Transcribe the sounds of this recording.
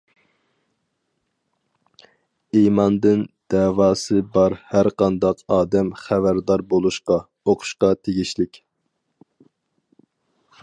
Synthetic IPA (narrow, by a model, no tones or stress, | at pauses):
imɑnd̪ɨnd̪̥ɛːwɑːsɨbɑɾhæɾqʰɑnd̪ɑqʰɑːd̪ɛmχævæɾd̪ɑɾbolˠuʃqɑ | oqʰʊ̥ʃqɑt̪ʰeɡʲiʃlɪkʲ